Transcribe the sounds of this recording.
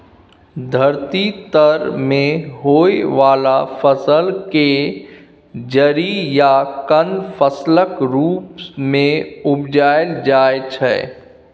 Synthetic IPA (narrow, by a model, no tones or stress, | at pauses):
d̪ʱəɾt̪it̪əɾmẽɦoːeʋaːlafʰəsəlke | d͡ʒəɾijakənfʰəsləkɾuːpsmẽʊpd͡ʒaːɪld͡ʒaːet͡ʃʰɛ̰ː